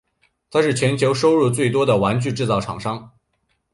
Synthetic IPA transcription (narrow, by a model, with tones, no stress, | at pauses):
t̪ʰa˥ʂɻ̩˥˩t͡ɕʰɥɛ˧˥nt͡ɕʰjo˧˥ʊʂo˥ʊɻu˥˧t͡swe˥˩ɪt̪̬wɔ˥d̪ə˨wa˧˥nt͡ɕy˥˧ʈ͡ʂɻ̩˥˧t͡sɑ˥˩ʊʈ͡ʂʰɑ̰˨˩ŋʂɑ˥ŋ